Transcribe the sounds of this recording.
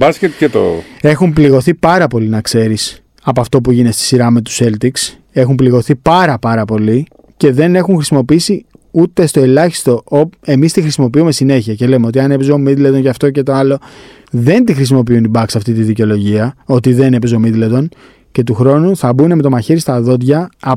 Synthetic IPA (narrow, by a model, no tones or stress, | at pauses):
bɐscet̪cet̪o̰e̞xumpliɣo̞θipɐɾɐpo̞linɐkse̞ɾis | ɐpoɐft̪o̞p̬uʝine̞st̪i̥siɾɐme̞t̪u̥se̞lt̪iks | e̞xumpliɣo̞θipɐɾɐpɐɾɐpo̞li | ce̞ðe̞ne̞xuŋxɾisimo̞piisiut̪e̞st̪o̞e̞lɐçi̥st̪o̞oe̞mist̪ixɾisimo̞piume̞sine̞çiɐce̞le̞meo̞t̪iɐne̞pezomid̪led̪o̞nʝɐft̪o̞cet̪o̞ɐlo̞ | ðe̞nt̪ixɾis̬imo̞piunibɐksɐft̪it̪iðiceo̞lo̞ʝiɐo̞t̪iðe̞ne̞pezomid̪led̪o̞n | ce̞t̪uxɾo̞nuθɐbune̞me̞t̪o̞mɐçeɾist̪ɐðo̞d̪ʝɐː